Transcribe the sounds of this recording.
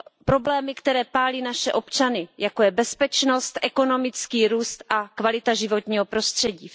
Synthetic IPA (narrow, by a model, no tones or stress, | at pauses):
pɾo̞blɛːmɪkt̪ɛɾɛːpaːliːnaʃɛʔo̞pt͡ʃanɪjako̞jɛbɛspɛt͡ʃnost̪ʔɛko̞no̞mɪt͡skiːɾuːst̪ʔakvalɪt̪aʒɪvo̞t̪ɲiːɦopɾo̞st̪r̝̥ɛɟiː